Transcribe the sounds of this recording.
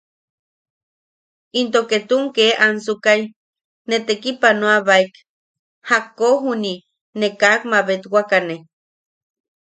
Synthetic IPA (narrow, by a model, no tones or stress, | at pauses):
int̪oket̪uŋkeʔansukaj | net̪ekipanoaβaijk | hakoɦuni | nekakmaβet̪wakane